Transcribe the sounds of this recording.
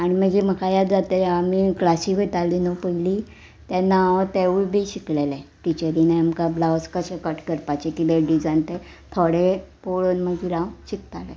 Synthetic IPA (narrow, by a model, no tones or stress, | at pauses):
aɽ̃iməɡiːm̤əkajad͡zat̪eamiklasikʋet̪alinopəili | t̪ɛnaʋt̪eʋubʱiɕiklelɛʈit͡ɕəɾineamkablawskəɕẽkəʈkəɾpat͡ɕekibeɖid͡zãnt̪ɛ | t̪ʰoɽepoɭonməɡiɾãwɕik̚t̪alɛ